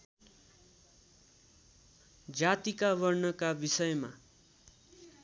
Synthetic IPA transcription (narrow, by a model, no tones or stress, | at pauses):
d͡zat̪ikaβʌrnʌkabisʌjma̰